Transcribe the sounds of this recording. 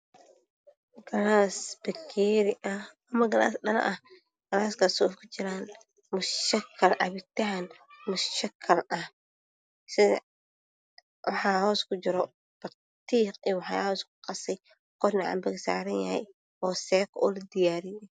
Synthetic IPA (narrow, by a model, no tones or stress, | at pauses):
ɡ̥ɐnaːsbɐkʰːeːɾɪʔɐ | ɐmɐɡɐna̰ːsɗɐlɐ̰ʔɐh | ɡ̥ɐnaːskʰɐsɔfkʰʊt͡ʃɪɾaːn | mʊʃtɐkʰːɐlʕɑ̰βɪt̪ɐɦɐnmʊsʃɐkʰːɐlʔɐh | sɪð̰ | wɑħɑːhɔːskʰʊt͡ʃɪɾɔ | b̥ɐt̪ʰ | iːqiwɑħɑhɔskʰʊ̥qɑsɛj | qɔɾnɑʕa̰ːmbɐɡsa̰ːɾɐnjɐhɛ̰j | ɔːsɛːkʰɔːlɐd̪ɪjaːɾɪjɛ